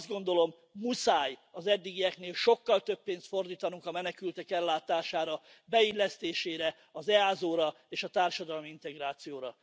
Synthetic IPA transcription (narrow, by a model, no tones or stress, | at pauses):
zd̪ɡo̞nd̪o̞lo̞m | musaːjɒzɛd̪ːiɡijɛkneːlʃo̞kːɒlt̪øpːeːnst̪fo̞rd̪iːt̪ɒnuŋkɒmɛnɛkylt̪ɛkɛlːaːt̪aːʃaːɾɒ | bɛilːɛst̪eːʃeːɾɛ | ɒzɛaːzoːɾɒ | eːʃɒt̪aːrʃɒd̪ɒlmiint̪ɛɡraːt̪sijoːɾɒ